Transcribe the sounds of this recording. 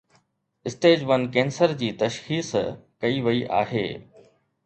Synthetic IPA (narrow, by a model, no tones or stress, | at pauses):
ɪsʈeːd͡ʑʋɐnkẽːnsəɾd͡ʑiːt̪ɐʃxiːskɐiʋɐiʔa̰ːɦḛː